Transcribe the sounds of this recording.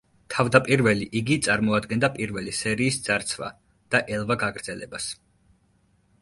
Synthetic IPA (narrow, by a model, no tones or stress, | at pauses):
t̪ʰavd̪apʼiɾvɛliʔiɡit̪sʼaɾmɔad̪ɡɛnd̪apʼiɾvɛlisɛɾiːsd̪z̥aɾt̪sʰva̰ | d̪̥aʔɛlˠvaɡaɡɾd̪zɛlɛ̰bas